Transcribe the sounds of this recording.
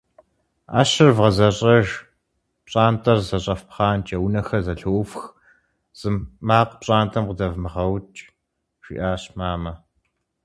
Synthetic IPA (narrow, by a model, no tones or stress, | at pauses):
a̰ːɕɪrvʁɐzɐɕʼɐʒ | pɕʼaːntʰʼɐrzɐɕʼɐfpχɑːnt͡ʃɐwnɐxɐzɐɬofx | z̥ɨmːaːqʷpɕʼaːntʰɐmqədɐvmɨʁɐwt͡ʃʼ | ʃḭʔaːɕmaːmɐ